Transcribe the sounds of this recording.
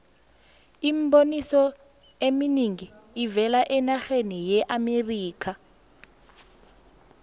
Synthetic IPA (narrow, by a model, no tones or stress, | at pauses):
imbonisɔ | eminiŋiivɛlaʔɛnaxenijɛʔameriːkʰa